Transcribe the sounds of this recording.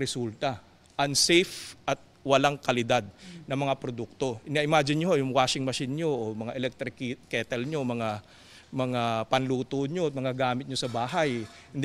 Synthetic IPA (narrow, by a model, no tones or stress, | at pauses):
ɾɛsult̪ɐ | ʔɐŋsɛjfʔɐt̪̚wɐlaŋkɐlɪd̪ad̪̚nɐŋmɐŋapɾod̪uk̚t̪o̞ɪnaʔɪmaːd͡ʒɪnɲoɦojʊŋwaːʃɪŋmɐʃɪnɲoʔomɐŋaʔɛlɛk̚t̪ɾɪkkːɛːt̪ɛlɲomɐŋa | mɐŋapɐnluːt̪oːnɲot̪̚mɐŋɡaɡaːmɪt̪̚ɲosɐbaːɦaj | hɪnd̪